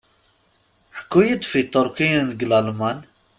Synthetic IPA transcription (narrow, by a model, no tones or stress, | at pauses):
ħkːujəd̪fit̪oɾkijanɡlalman